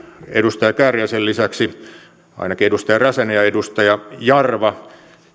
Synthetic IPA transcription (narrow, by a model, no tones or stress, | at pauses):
ḛdust̪ɑjɑkærjæsellisæksi | ɑ̰inɑkiedust̪ɑjɑræsenejæedust̪ɑjɑjɑrʋɑ